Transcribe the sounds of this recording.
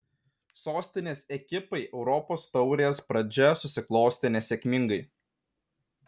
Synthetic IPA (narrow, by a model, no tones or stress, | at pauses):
soːsʲt̪ʲɪnʲeːsɛkʲɪpɐɪʔɛʊɾɔpoːst̪ɒʊɾʲespɾɐd͡ʒʲɛsʊsʲɪklˠoːsʲt̪ʲɪnʲɛsʲekʲmʲɪŋɡɐɪ